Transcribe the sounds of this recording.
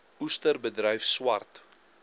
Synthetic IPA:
ustərbədɾœjfswɐrt

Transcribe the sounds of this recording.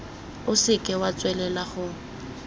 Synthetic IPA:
ʊsɪkʼɛwat͡sʼwɛlɛlaχʊ

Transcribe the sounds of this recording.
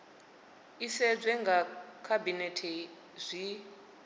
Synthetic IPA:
isɛd͡zʷwɛŋɡakʰabinɛtʰɛ | z̥ʷi

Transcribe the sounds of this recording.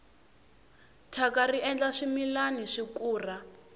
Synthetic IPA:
tʰakariʔɛnd͡ɮaʂimilaniʂikuːra

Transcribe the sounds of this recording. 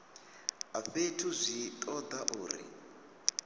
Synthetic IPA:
aɸetʰuzʷit̪ʼɔd̪aʔuːrḭ

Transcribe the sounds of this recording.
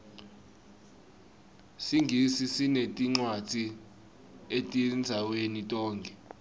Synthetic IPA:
siŋʱisisinetʼiŋ͡ǀwatʰʼi | etʼind͡zʱawenitʼɔːŋkʼɛ

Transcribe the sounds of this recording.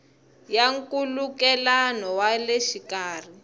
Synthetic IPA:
jaŋkulukɛlanɔwaleʃikaːr̤i

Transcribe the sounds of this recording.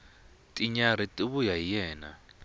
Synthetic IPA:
tʼiɲaɾitʼiβujajɛːna̰

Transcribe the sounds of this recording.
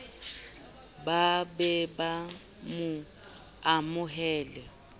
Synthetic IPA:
babɛba | mʊ | amʊɦɛːlɛ

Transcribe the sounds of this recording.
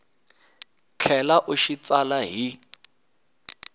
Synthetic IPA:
t͡ɬʰɛlaʔuʃit͡salaɦi

